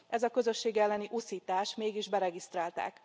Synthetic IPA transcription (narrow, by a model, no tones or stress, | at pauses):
ɛzɒkø̞zø̞ʃːeːɡɛlːɛniʔusiːt̪aːʃmeːɡiʒbɛɾɛɡist̪raːlt̪a̰ːk